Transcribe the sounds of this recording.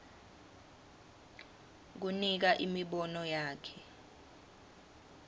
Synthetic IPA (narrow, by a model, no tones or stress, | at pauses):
k̬unik̬aʔimiɓɔnɔjaːkʰɛ